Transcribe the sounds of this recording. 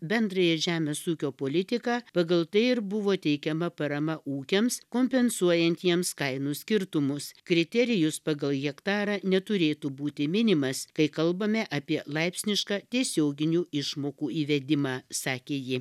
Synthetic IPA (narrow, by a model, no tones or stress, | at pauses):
bʲɛnd̪ɾɐjɛʒʲæːmʲeːsuːkʲoːpoːlʲɪt̪ʲɪkɑːpɐɡɐlˠt̪ɐɪɪɾbʊʋoːt̪ʲɛɪkʲɛmɐpɐɾɐmɐʔuːkʲɛmskoːmʲpʲɛnsuɔjɛnʲt̪ʲiɛmskɐɪnuːsʲkʲɪɾt̪ʊmʊskɾʲɪt̪ʲɛɾʲɪjʊspɐɡɐlˠɣʲɛkt̪ɑːɾɑːnʲɛt̪ʊɾʲeːt̪ubuːt̪ʲɪmʲɪnʲɪmɐskɐɪkɐlˠbɐmʲɛʔɐpʲiɛlˠɐɪpʲsʲnʲɪʃkɑːt̪ʲiɛsʲoːɡʲɪnʲuːɪʃmoːkuːiːʋʲɛd̪ʲɪmɑːsɑːkʲeːjɪ